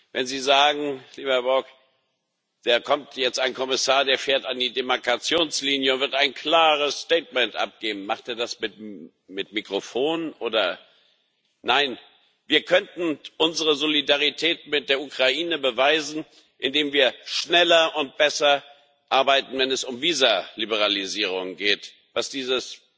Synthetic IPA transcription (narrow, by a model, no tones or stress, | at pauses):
vɛnziːzaːɡŋ̩liːbɐbɔk | d̥eːɐkʰɔmtʰjɛt͡staɪnkʰɔmɪsaːɐdeːɐfeːɐtandiːdemaɐkʰat͡sjoːnsliːnjəʊntv̥ɪɐtaɪnkʰl̥aːʁəsstɛːtmɛntʔa̰p̚ɡ̥eːbm̩n̩maχtʔeːɐdasmɪt | mɪtmikʁ̥ofoːnənʔoːdɐ | naɪn | viːɐkʰœntn̩ʔʊnzəʁəzolidaʁitʰɛːtmɪt̚d̥eːɐʔukʁ̥aʔiːnəbəvaɪzn̩ | ʔɪndeːmviːɐʃnɛlɐʔʊnt̚b̥ɛsɐ | ʔaɐbaɪtn̩vɛnɛsʊmviːzalibəʁ̞aliziːʁ̞ʊŋɡeːt | vasd̥iːzəs